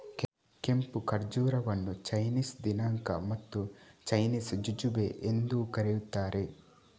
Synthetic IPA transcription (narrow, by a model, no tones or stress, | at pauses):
k | ke̞mpukɐɾd͡ʒuːɾɐʋɐnːut͡ʃɐjniːsd̪inaːŋkɐ̰mɐt̪ːut͡ʃɐjniːsd͡ʒud͡ʒubeʔend̪ukɐɾejut̪ːaːɾe̞